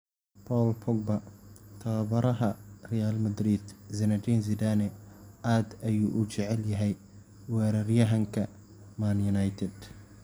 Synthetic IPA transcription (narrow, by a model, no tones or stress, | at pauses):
pʰɔːlpʰɔɡ̚bɐt̪ʰɐbɐɾɐɦɐrɛjaːlmɐd̪ɾid̪zɛnɐd̪inzɪd̪anɛaːd̪ɐjuːʔʊt͡ʃɛʕɛljɐɦɛj | wɛːɾɐrjɐɦɐŋkʰɐ | manjʊnajt̪ʰɛd̪